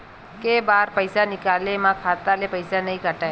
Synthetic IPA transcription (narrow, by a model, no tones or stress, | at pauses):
kebaːɾpɐɪsanɪkaːlemãkʰaːt̪alepɐɪsanɐɦĩkɐʈae